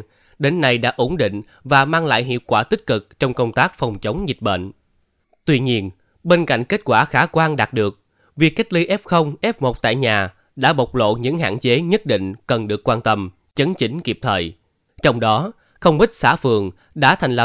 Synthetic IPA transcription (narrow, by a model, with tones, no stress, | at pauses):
ɗe˨˦nːa˨˩jɗa̰ː˧˥ʔo˨˦nɗḭ˧˨ŋ̟ | vaː˨˩maː˧ŋla̰ː˧˨jɦḭ˧˨əwkwaː˧˩t̪ï˦˥k̚kɨ˨˩k̚t͡ɕɔ˧wŋ͡mkə˧wŋ͡mt̪aː˦˥k̚fɔ˨˩wŋ͡mt͡ɕə˨˦wŋ͡mzi˨˩t̚ɓə̰˧˨n | t̪wi˧ɲi˧ən | ɓe˧nka̰˧˨jŋ̟ke˦˥t̚kwaː˧˩xaː˨˦kwaː˧ŋɗaː˨˩t̚ɗɨ˨˩ək̚ | vi˨˩kːa˦˥k̚li˧ʔɛ˦˥p̚xə˧wŋ͡mʔɛ˦˥p̚mo˨˩t̚t̪a̰ː˧˨jɲaː˨˩ | ɗa̰ː˧˥ɓə˨˩wk͡p̚lo̰˧˨ɲɨ̰˧˥ŋɦa̰ː˧˨nt͡ɕe˨˦ɲə˦˥t̚ɗḭ̈˧˨ŋ̟kə˨˩nɗɨ˨˩əkːwaː˧nt̪ə˧m | t͡ɕə˨˦nt͡ɕï˨˦ŋ̟ki˨˩əp̚t̪ʰəː˨˩j | t͡ɕɔ˧wŋ͡mɗɔ˨˦ | xə˧wŋ͡mɓï˦˥t̚sa̰ː˧˥fɨ̰˨˩əŋ | ɗa̰ː˧˥t̪ʰa˨˩jŋ̟lə˨˩